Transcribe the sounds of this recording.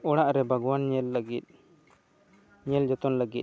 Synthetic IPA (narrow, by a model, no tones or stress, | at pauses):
ɔɽaʔɾɛbʱaɡwanɲɛlːəɡit̪̚ | ɲɛld͡ʒɔt̪ɔnləɡit̪̚